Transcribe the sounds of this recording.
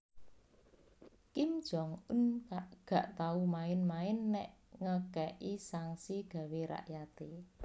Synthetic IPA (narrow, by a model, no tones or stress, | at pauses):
kimd̥ʒ̥ɔŋʊnaʔɡ̥a̤ʔt̪aumaɪnmaɪnːɛʔŋəkɛʔisaŋsiɡ̥ä̤weɾa̰ʔjat̪e